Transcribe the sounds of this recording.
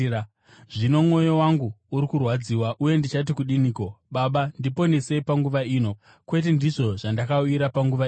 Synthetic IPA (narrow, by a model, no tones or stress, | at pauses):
ʐino̞mŋo̞jo̞waŋɡuːɾikurwad͡ziwaʔuje̞ndit͡ʃat̬ikuɗiniːko̞ɓaɓandipo̞nese̞paŋɡuʋaiːno̞ | kwe̞t̬indiʐo̞ʐandakauiɾapaŋɡuʋai